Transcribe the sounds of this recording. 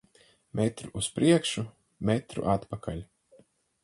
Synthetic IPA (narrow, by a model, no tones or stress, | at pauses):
mɛt̪ɾuʔuspɾʔiɛkʃu | mɛt̪ɾṵʔat̪pakʰalʲ